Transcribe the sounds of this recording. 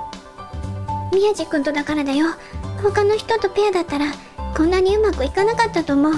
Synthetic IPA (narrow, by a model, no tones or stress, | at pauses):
mʲiaʑikɯ̟̃nt̪o̞d̪akaɾad̪ajo̞ | ho̞kano̞çi̥t̪o̞t̪o̞pe̞jad̪at̪ːaɾa | kõ̞nːaɲ̟iɯ̟makɯ̟ikanakat̪ːat̪o̞ːmo̞ɯ